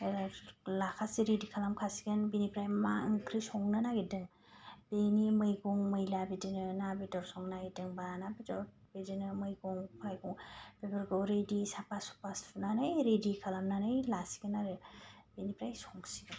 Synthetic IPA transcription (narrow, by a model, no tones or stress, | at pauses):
lakʰasiɾedikʰalamkʰasi̥ɡɯnbinipɾajmaŋkʰɾisɔŋnɯnaɡidɯŋ | b̥enimɯjɡuŋmɯjlabidinɯnabidɔɾsɔŋnaɡidɯŋbaɾanabidɔ | bedinɯmɯjɡuŋpʰajɡuŋb̥ebɯɾɡɯwɾedisapasu̥pasnanɯjɾedikʰalamnanɯjlasi̥ɡɯnːaɾɯbinipɾajsɔŋsiɡɯn